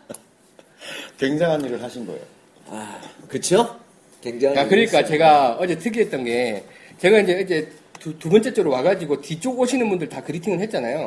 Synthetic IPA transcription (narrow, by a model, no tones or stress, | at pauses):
kwe̞ŋd͡ʑaŋɦaniɾɯɭɦaɕʰinɡʌ̰ḛo | akɯt͡ɕʰjo | keŋaakɯɾik͈at͡ɕe̞ɡaʌd͡ʑe̞tʰɯɡiɦet̚t͈ʌnɡe̞ | t͡ɕe̞ɡaind͡ʑe̞ind͡ʑe̞ | tutubʌnt͡ɕ͈e̞t͡ɕ͈oɾowaɡad͡ʑiɡotit͡ɕ͈oɡoɕʰinɯnbundɯɭtakɯɾitʰiŋɯɭɦe̞t̚t͡ɕ͈anajo